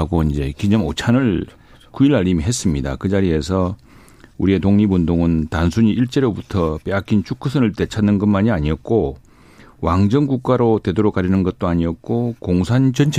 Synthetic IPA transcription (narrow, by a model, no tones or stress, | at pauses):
ɡoind͡ʑe̞kid͡ʑʌmot͡ɕʰanɯɭ | kuiɾaʎːimiɦe̞s͈ɯmɲida̰kɯd͡ʑaɾie̞sʰʌ | uɾie̞toŋɲibundoŋɯntansʰuɲiʔiɭt͡ɕ͈e̞ɾobutʰʌp͈eak͈ʰint͡ɕʰuk͈ʰusʰɯnɯɭte̞t͡ɕʰanːɯnɡʌnmaɲiaɲiʌt̚k͈o | waŋd͡ʑʌŋɡuk̚k͈aɾote̞doɾokaɾinɯnɡʌt̚t͈oaɲiʌk̚k͈okoŋsʰant͡ɕʌnt͡ɕʰ